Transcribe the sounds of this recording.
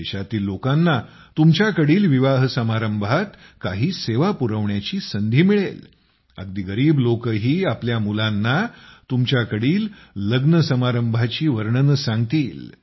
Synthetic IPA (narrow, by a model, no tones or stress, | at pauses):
eɕat̪iːlːokãnːa | t̪umt͡ɕjakəɽiːlʋiʋaɦsəmaɾəmbʱat̪kaɦiːseʋapuɾəʋɳjat͡ɕiːsənd̪ʱiːmiɭel | ə̰ɡd̪iːɡəɾiːblokəɦiːapljamulanːat̪umt͡ɕjakəɽiːlːəɡnəsəmaɾəmbʱat͡ɕiːʋəɾɳənəsãŋɡt̪iːl